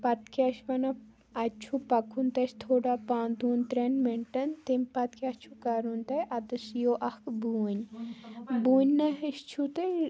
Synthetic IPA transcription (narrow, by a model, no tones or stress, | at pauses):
pɐt̪kʰiɐʃbɐna | ɐt͡ʃʰupɐkʰunt̪ɐʃt̪ʰoːɽaːpãːnd̪uːnt̪ɾenmeɳʈɐnt̪emʲpɐt̪̚kʰʲɐt͡ʃʰukɐɾunt̪ɐʔɐd̪ɨsjoːʔɐhkbuːɲʲ | buːɲʲːɐɦiʃt͡ʃʰut̪ɐ